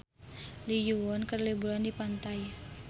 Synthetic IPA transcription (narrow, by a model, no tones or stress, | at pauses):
lijuwɔnkərlibuɾandipant̪aj